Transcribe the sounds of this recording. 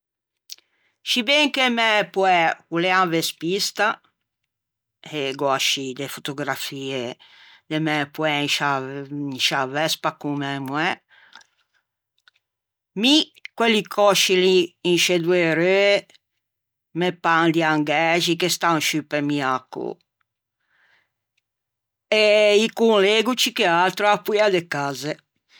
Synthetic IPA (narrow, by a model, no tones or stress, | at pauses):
ʃibeŋkemɛpwɛuleanvespist̪a | eɡɔʃid̪efot̪oɡɾafie | d̪emɛpwɛinʃainʃavɛspakumɛmwɛ | mikwelikʰɔʃiliːnʃed̪weɾø | mepand̪iaŋɡɛʒikest̪anʃypemiakːo̰ | eikunleɡut͡ʃikealt̪ɾoapuiad̪ekaze